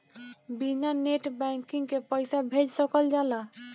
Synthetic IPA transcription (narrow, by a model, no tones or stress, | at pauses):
binaneʈbɛŋkiŋkepɔjsabʱed͡ʒsɔkɔld͡ʒala